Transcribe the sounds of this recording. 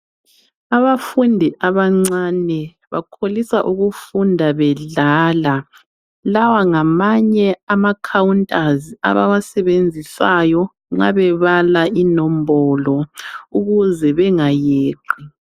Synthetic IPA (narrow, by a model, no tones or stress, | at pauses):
aβafundʱiʔaβaŋ͡ǀanɛ | βa̰kʰolisaʔuɣufundʱaβɛɮaːla | lawaŋamaɲɛamakʰawuntʼazia̰βa̰wasɛβend͡zʱisajɔ | ŋ͡ǁa̰βɛβalaʔinɔmbɔlɔuɣuzɛβɛŋajeːǃʱi